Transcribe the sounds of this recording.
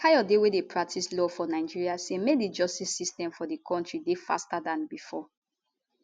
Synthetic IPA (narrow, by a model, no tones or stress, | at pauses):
kajɔdewedepʰɹak̚tʰislɔfɔnaɪd͡ʒiɹiasemedid͡ʒɔstisːistɛ̃mfɔdikʰɔ̃ntɹidefa̰stadãnbifɔ